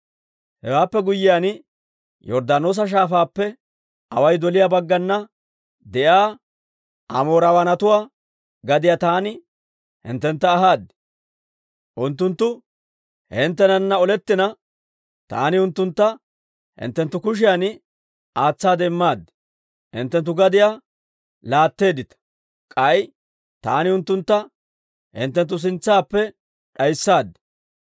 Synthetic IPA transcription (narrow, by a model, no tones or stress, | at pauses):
hɛ̰waːpːɛɡʊjːɪjan | jɔɾd̪aːno̞ːs̬ɐʃ̬aːfaːpːɛ | ʔɐ̰wɐjd̪ɔlɪjaːbɐɡːɐnːɐ | d̪ɛʔaː | ʔɐ̰mo̞ːɾɐwɐnɐt̪ʊwaː | ɡɐd̪ɪjaːt̪aːnɪ | hɪ̰nt̪ːɛnt̪ːɐːɦaːd̪ɪ | ʔʊnt̪ːʊnt̪ːʊ | hɪnt̪ːɛnɐnːɐɔlɛt̪ːɪnɐ | t̪a̰ːnɪʊnt̪ːʊnt̪ːɐ | hɪ̰nt̪ːɛnt̪ːʊkʊʃ̬ɪjanɪ | aːt͡sːaːd̪ɛɪmːaːd̪ːɛ̥ | hɪ̰nt̪ːɛnt̪̬ːʊɡɐd̪ɪjaː | laːt̪ːe̞ːd̪ɪt̪ɐ̥ | kʼɐj | t̪a̰ːnɪʊnt̪ːʊnt̪ːɐ | hɪ̰nt̪ːɛnt̪̬ːʊs̬ɪnt͡sːaːpːɛ | ɗɐjsːaːd̪ːɛ̥